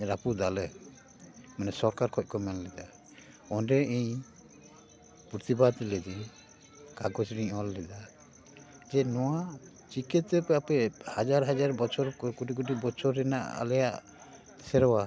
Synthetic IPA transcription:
ɾapud̪alə | mɛnɛsɔɾkaɾkʰɔc̚kɔmɛllɛd̪a | ɔnɖɛiɲ | puɾt̪ibat̪lɛd͡ʒɛ | kaɡɔt͡ʃɾiɲɔlːɛd̪a | d͡ʒɛnɔwa | t͡ʃikɛt̪ɛpɛapɛhad͡ʒaɾɦad͡ʒaɾbɔt͡ʃʰɔɾkuʈikuʈibɔt͡ʃʰɔɾːɛna̰ʔa̰lɛjaʔ | sɛɾɔwa

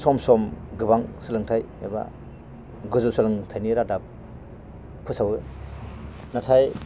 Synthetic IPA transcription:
sɔmsɔmɡɯbaŋsɯlɯŋtʰaj | eba̰ | ɡɯzusɯlɯŋtʰajniɾadap̚ | pʰːɯsawɯ | natʰaj

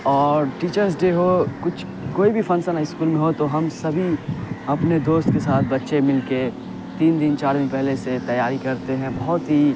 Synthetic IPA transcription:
ɔːɾʈiːt͡ʃəɾs̬ɖeːɦokʊt͡ʃʰ | koːibʱifʰɐnsənɪskuːlmẽɦot̪oɦɐmsɐbʱiɐpned̪oːst̪̚kesaːt̪̚ʰbɐtːʃemɪlke | t̪iːnd̪ɪnt͡ʃaːɾmẽpɛɦleset̪ɐjːaːɾikɐɾt̪eɦɛ̃bɐɦʊt̪ɦi

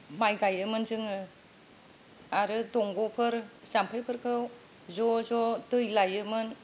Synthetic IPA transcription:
majɡajɯmɯnzɯŋɯ | aɾɯdɔŋɡɔpʰɯɾsampʰɯjpʰɯɾkʰɯw | zɔzɔtɯjlajɯmɯn

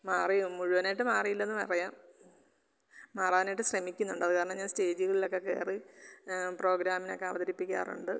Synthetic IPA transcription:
maːrijumuɻuʋɐnajʈːɨmaːrijilːɐnːɨpɐ̰rɐjaːm | maːraːʋinajʈːɨɕremikʲːunːuɳɖɨɐðɨkaːɾɐɳɐmɲaːnste̞ːd͡ʑiɣɐɭilo̞kːeke̞̰ːri | pro̞ːɡɾaːmino̞kːe̞ɐʋɐðɐɾipːikʲːa̰ːrṵɳɖɨ

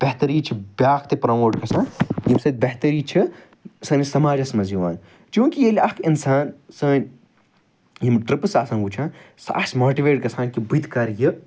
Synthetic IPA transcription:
b̥ɐht̪ɐɾiːt͡ʃʰibjaːkt̪epɾɐːmoːʈkɐsãːjimsɐt̪̚bɐɦt̪ɐɾiːt͡ʃʰi | sɐnisɐmaːd͡ʒɐsmɐziʋa̰ːn | t͡ʃũːkijelʲɐkinsaːnsɐːn | jimʈɾipɨsaːsɐ̃nɡut͡ʃʰãː | sa̰ʔɐsmoːʈiʋeːʈ̚kɐsãːnkibut̪kɐɾji

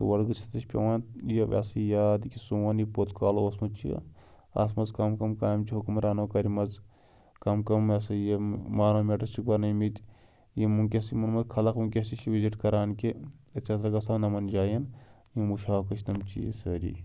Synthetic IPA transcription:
t̪oʋɐɽɡɨt͡ʃʰɐ̥t̪ɐt͡ʃpʲɐ̰waːnt̪jeʋɐ̰sijaːd̪kisuwɐnjipoːt̪kaːloːsmut͡ʃʰḭ | ɐ̰s̬mɐzkɐmkɐmkaːjɐmt͡ʃʰiɦukumɾaːnoːkɐɾimɐz | kɐmkɐmɐsɐjemaːnoːmʲeʈɐsik̚bɐɾnɐjmit̪ | jimukʲesimɐnmɐzkʰɐlɐkmukʲesit͡ʃʰiʋiziʈkɐɾaːnkeɐt͡sɐsɐɡɐsanɐmɐnd͡ʒaːjɐn | jimuʃaːkɐt͡ʃʰnɐmt͡ʃḭjḛsɐɾḭ

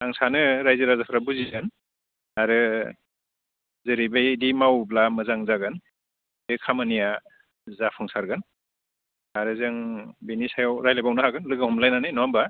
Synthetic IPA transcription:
aŋsanɯɾajzɯɾazapʰɾabuziɯn | aɾɯ | zɯɾibajdimawblamɯzaŋzaɡɯn | ekʰamanija | zapʰɯŋsaɾɡɯn | aɾɯzɯŋbinisajawɾajlabawnɯhaɡɯnlɯɡahumlajnanɯjnɔamba

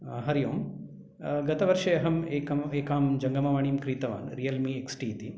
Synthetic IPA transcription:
ɦɐɾijoːm | ɡɐt̪ɐʋɐɾʂɐjɐɦɐmekɐmeːkaːmd͡ʒɐŋɡɐmɐʋaːɳiːmkɾiːt̪ɐʋa̰ːnɾijɐlmieksʈiːt̪i

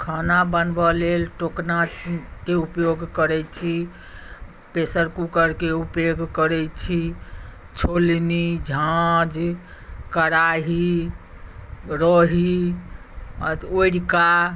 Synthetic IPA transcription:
kʰanabənbəlelʈoknakeupjoɡʱkəɾɛt͡ʃʰi | pesəɾkukəɾkeupjoɡʱkəɾɛt͡ʃʰi | t͡ʃʰolnid͡ʒʱaãd͡ʒ | kəɾaɦi | ɾɔɦi | oɾika

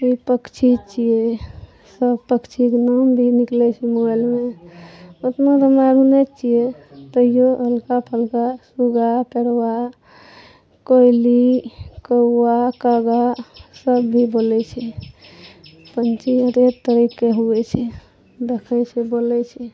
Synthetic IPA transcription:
ipəkt͡ʃʰit͡ʃʰije | səbpəkt͡ʃʰiknambʱiniklɛt͡ʃʰimoelme | ot̪mad̪əmaɾunet͡ʃʰijet̪əijoɦəlkapʰəlkasuɡapeɾwa | kojlikəːakaɡasəbːʱibolɛt͡ʃʰɛ | pənt͡ʃiəɾet̪əɾikːeɦuɛt͡ʃʰɛ | d̪ekʰəjsebolɛt͡ʃʰɛ

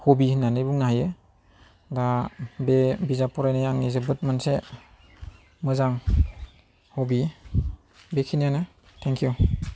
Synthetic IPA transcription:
hobinanɯjbuŋnahajɯ | ɡabebizapʰɔɾajnajaŋnizɯbɯt̚manse | mɯzaŋ | hobi | bekʰinijanɯ | tʰɛŋkʰju

